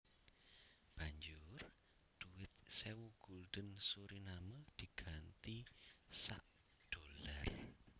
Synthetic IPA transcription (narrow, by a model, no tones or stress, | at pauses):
b̥aɲd͡ʒʊr | d̪̥uwɪt̪̚sewuɡ̥uld̪̥ənsuɾinaməd̪̥i̤ɡ̥ant̪isa̰ʔ | d̪̥olar